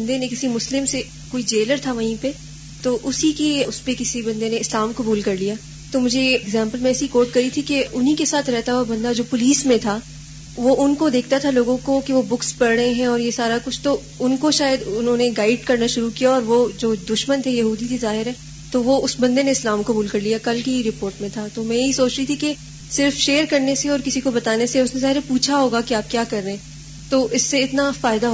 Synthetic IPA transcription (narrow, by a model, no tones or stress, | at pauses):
bɐnd̪enẽkɪsimʊslɪmse | koːid͡ʒeːləɾt̪ʰaʋɐɦĩpe | t̪oːʔʊsikeʊspekɪsibɐ̃nd̪eneɪslaːmkɐbuːlkɐɾlijaː | t̪omʊd͡ʒʱeɡzɛ̃ːmpəlmẽɛːsikoːʈ̚kɐɾit̪ʰikeʊnɦĩkesaːt̪ʰɾɛɦt̪aɦabɐ̃nd̪ad͡ʒoːpʊliːsmẽt̪ʰa | ʋoʔʊnkod̪eːk̚ʰt̪at̪ʰaloːɡõkokiʋobʊkspɐɽɽəɦẽɦɛ̃ɔːɾjesaːɾakʊt͡ʃʰt̪o | ʊnkoʃaːjəd̪ʊnɦõneɡaːɪɖkɐɾnaʃʊɾukijaɔːɾʋod͡ʒoːd̪ʊʃmənt̪ʰejɐɦuːd̪it̪izaːɦɪɾɦɛ̃ː | t̪oʋoʊsbɐ̃nd̪eneɪslaːmkɐbuːlkɐɾlijakɐlkiiɾɪpoːɾʈmẽt̪ʰat̪omɛ̃jɦisoːt͡ʃɾit̪ʰike | sɪɾfʃeːəɾkɐɾneseɔːɾkɪsikobɐt̪aːneseʊsnẽzaːɦɪɾepuːt͡ʃʰaɦoːɡakiaːp̚kjaːkɐɾːẽẽː | t̪oːʔɪsːeɪt̪nafaːɪd̪aɦo